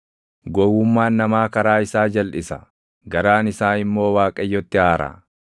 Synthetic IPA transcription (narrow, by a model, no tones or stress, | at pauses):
ɡɔwʊmːaːnːɐmaːkɐɾaːɪsaːd͡ʒɐlʔɪsɐ | ɡɐɾaːnɪsaːɪmːo̞ːwaːkʼɐjːɔt̪ːɪaːɾʔa̰